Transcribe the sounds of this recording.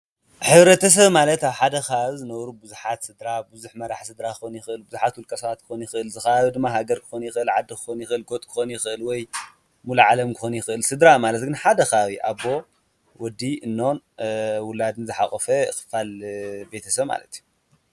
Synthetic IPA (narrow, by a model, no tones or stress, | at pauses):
ħɨβɾɐt̪ʰɐs̬ɐβmalɐt̪aβħad̪ɐxazɨnɐwɾubɨzuħat̪sɨd̪ɾabɨzuħmɐɾaħsɨd̪ɾakɨxonjɪxɨʔɨlbɨzuħat̪wʊlkʼɐsɐwat̪̚kʰɨ̥xonjɪxɨʔɨlzɨxɐaβid̪ɨmːaɦaɡɐɾkʰɨ̥xonjɪxɨʔɨlʕad̪ːɨkɨ̥xonjɪxɨɨlɡo̞t̪ʼkʰɨ̥xonjɪxɨʔɨlwɔj | mulʕalɐmkʰɨxonjɪxɨʔɨlsɨd̪ɾamalɐt̪ɡɨnħad̪ɐxawiʔaβo̞ | wɔd̪iɨnːo̞n | wʊlːad̪ɨnzɨħaχʼɔfɐjxɨ̥falbe̞t̪ʰɐsɐβma̰lɐt̪ju